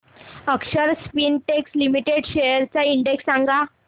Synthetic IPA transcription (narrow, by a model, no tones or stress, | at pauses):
əkʂəɾspinʈekslimiʈeɽɕejəɾt͡saiɳɖeksːãŋɡʱa